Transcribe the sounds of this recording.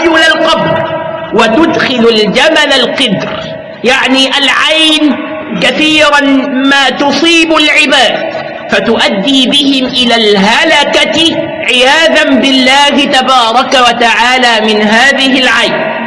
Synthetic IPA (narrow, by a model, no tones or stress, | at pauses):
jʊlalqɑbɾwat̪ʊd̪xɪlald͡ʒamalalqɪd̪ɾ | jaʕniːʔalʕajn | kaθiːɾanmaːt̪ʊsˤiːbʊlʕɪbaːd̪ | fat̪ʊʔad̪ːiːbɪhɪmʔɪlaːlɦalaka | ʕɪjaːðambɪlːaːhɪt̪abɑːɾˤɑkawat̪aʕaːlaːmɪnɦaːðɪhɪlʕajn